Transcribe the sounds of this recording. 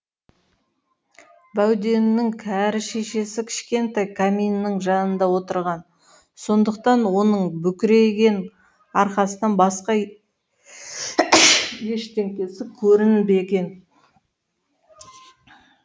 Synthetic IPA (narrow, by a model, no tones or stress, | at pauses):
bæwd̪e̞nːɪŋkʲʰæɾɪʃeʃe̞sɪkʲʰɪ̥ʃkʲe̞nt̪ɑjkʰamijnːɪŋʒɑnənd̪ɑwo̞t̪əɾʁɑn | so̞nd̪əq̚t̪ɑnwo̞nəɴbʏkʲɪɾe̞ɡʲe̞n | ɑɾqɑsənɑnbɑsqɑ | je̞ʃt̪e̞ŋkʲe̞sɪkʲʰɵɾɪnbe̞ɡʲe̞n